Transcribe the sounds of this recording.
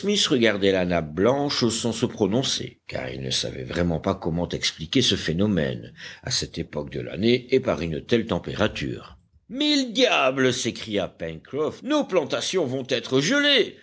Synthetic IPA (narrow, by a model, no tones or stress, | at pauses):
smisʁəɡaʁd̪ɛlanap̚blɑ̃ʃsɑ̃səpχɔnɔ̃sḛka̰ʁḭlnə̰sa̰vɛ̰vʁɛmɑ̃pakɔmɑ̃t̪ɛksplikʲesəfenɔmɛ̰na̰sɛt̪epɔk̚d̪ə̰la̰neːpaʁynt̪ɛlt̪ɑ̃peʁat̪y̰ːʁ | mild̪jabləsekχijapɛnkχɔfnoplɑ̃t̪asjɔ̃vɔ̃t̪ɛt̪χəʒəle